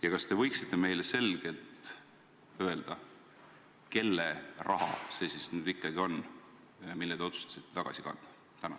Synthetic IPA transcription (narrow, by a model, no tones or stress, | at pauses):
jɑkɑst̪e̞vɤjksit̪ˑːe̞me̞jle̞se̞lɡ̥e̞lt̪ˑ | ø̞e̞ld̪̥ɑ | ke̞lːerʔɑɦɑ̰se̞sisnyːd̪ikːˑɑɡio̞n | milːed̪eot̪sust̪ɑ̥si̥t̪ːet̪ɑɡ̥ɑ̰sikɑ̰nd̪̥ɑ̥ | t̪ænɑ̰